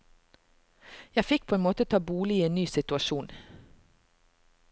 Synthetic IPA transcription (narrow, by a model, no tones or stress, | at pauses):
jæfɪk̚pʰoːeːnmoːt̪ət̪ʰɑːbuːlɪiːeːnnyːsɪt̪ʉɑʃuːn